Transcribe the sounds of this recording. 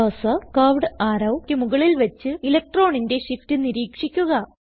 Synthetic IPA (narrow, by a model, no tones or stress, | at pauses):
ɐsɐkaːʋɖɨaːɾɐwkʲːɨmuɣɐɭilʋɐt͡ɕːɨilɐk̚ʈro̞ːɳinde̞ʂiftɨniɾiːkʂikʲːuɣɐ